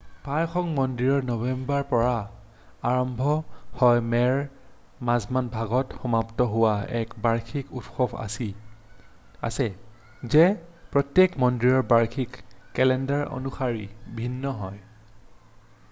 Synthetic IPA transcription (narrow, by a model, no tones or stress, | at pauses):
pajxɔŋmɔndɹiɹɔɹnɔbɛmbaɹpɔɹa | aɹɔmbʱɔhɔjmɛɹ | mazmanbʱaɡɔtxɔmaptɔɦʊwaɛkbaɹkʰikutxɔbʱa̰si | a̰sɛ | zɛpɹɔtjekmɔndɹiɹɔɹbaɹkʰikːɛlɛndaɹo̰nuxaɹibʱinːɔɦɔj